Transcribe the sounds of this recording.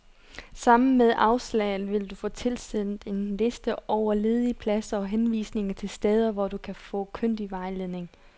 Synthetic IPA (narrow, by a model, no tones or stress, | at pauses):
sɑ̈m̰n̩meðˠʔɑ̈ʊslɛ̰ːð̩ˠʋe̝ld̥ufɔ̽ːt͡sʰe̝lsið̰ˠn̩ˠe̝nle̝sd̥əɒʊɐle̝ːð̞ˠiəpʰlæsɐɒ̽ɦenʋḭːsne̝ŋɐt͡sʰe̝lsd̥eð̞ˠɐʋɒd̥ukʰæfɔ̰̽ːkʰøn̰d̥iʋɑ̈ɪle̝ðˠne̝ŋ